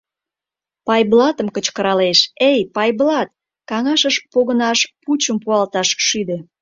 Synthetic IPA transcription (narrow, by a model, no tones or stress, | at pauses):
pɑjblɑt̪əmkət͡ɕkəɾɑleʃejpɑjblɑt̪̚ | kɑŋɑʃəʃpoɣənɑʃput͡ɕəmpuɑlt̪ɑʃʃyd̪e